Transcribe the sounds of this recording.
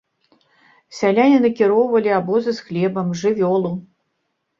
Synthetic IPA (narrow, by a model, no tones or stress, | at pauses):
sʲalʲanʲinɐkʲiɾɔwvɐlʲiabɔzɨsxlʲɛbɐmʐɨvʲɔlˠu